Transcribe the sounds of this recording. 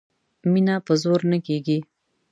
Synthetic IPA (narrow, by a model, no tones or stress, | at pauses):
minapəzoɾnəkeɡi